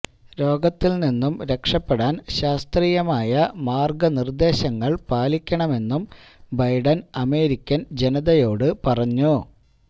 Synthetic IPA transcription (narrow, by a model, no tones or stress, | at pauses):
ɾo̞ːɡɐt̪ːilninːumɾe̞kʂɐpːeɽaːnɕaːst̪riːjɐmaːjɐmaːrɡɐnird̪e̞ːɕɐŋːɐɭpaːlikʲːɐɳɐme̞nːum | bɐjɖɐnɐme̞ːɾikʲːɐnd͡ʑe̞nɐðɐjo̞ːɽɨpɐrɐɲːu